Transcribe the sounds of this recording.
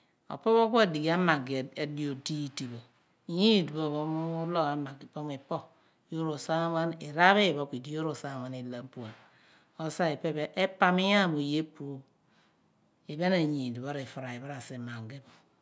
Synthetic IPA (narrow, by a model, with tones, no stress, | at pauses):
o̰˨po˦βo˦kʷa˦˨di˨ɡa˦ma˨ɡe˨e˨di˨o˨di˦˨ti˨bo˨ | ji˦˨du˨o˨βo˦m˦u˦lo˦ɣa˨ma˨ɡi˨po˦mi˨po˦ | jo˦ɾo˨sa˦ŋa˦ni˨ɾa˦βe˦˨βo˨ki˨di˦jo˦ɾo˨sa˦˨ŋa˨ni˨la˨m˦pu˨a˨n | o˨sa˦e˨pe˦be˦ʔe˦pa˦mi˦ja˦˨mo˨je˦pu˨˦ | i˨be˦na˨ɲi˨du˨βo˦ɾi˨fu˨ɾa˨i˨ba˦ɾa˨se˨ma˨ŋɡe˦bo˨